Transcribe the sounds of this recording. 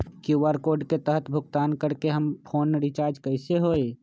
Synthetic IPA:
kjuʋaɾkoːɾɖket̪əɦət̪bʱʊɡt̪aːnkəɾkeɦəmpʰoːnɾit͡ʃaːɾd͡ʒkəɪseɦoːe

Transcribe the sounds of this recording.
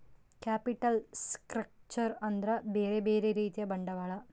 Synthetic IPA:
kaːpiʈːɐlskɾɐk̚t͡ʃɐɾɐnd̪ɾɐbeːɾebeːɾeɾiːt̪ijɐbɐɳɖɐʋaːɭɐ

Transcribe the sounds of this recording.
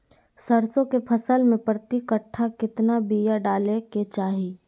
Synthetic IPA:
sɐɾsõkepʰɐsəlmẽpɾət̪ɪkəʈʰːakɪt̪nabijaɖaːleket͡ʃaːɦiː

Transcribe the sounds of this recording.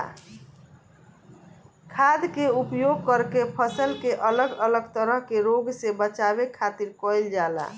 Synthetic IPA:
kʰad̪keupjoɡ̚kəɾkepʰəsəlkeʔələɡələɡt̪əɾəɦkeɾoɡsebət͡ʃabekʰat̪iɾkojld͡ʒala̰

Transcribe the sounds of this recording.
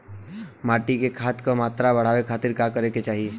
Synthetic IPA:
maːʈikekʰaːt̪komaːt̪ɾabɐɽ̤aːʋekʰaːt̪ɪɾkakəɾeket͡ʃaːɦie

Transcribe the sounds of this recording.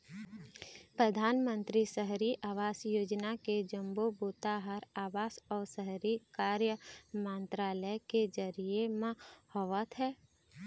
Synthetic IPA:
pɾəd̪ʱaːnmə̃nt̪ɾisəɦɾiʔaːʋaːsjoːd͡ʒnaked͡ʒə̃mboboːt̪aːɦəɾaːʋaːsɔːɾsəɦɾikaːɾjəmə̃nt̪ɾaːləjked͡ʒəɾiemãhɔʋət̪ɦɛː

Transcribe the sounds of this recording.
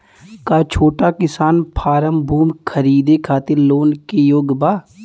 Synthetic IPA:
kaːt͡ʃʰoːʈakɪsaːnpʰaːɾəmbʱuːmkʰəɾiːd̪ekʰaːt̪ɪɾloːnkejoːɡbaː

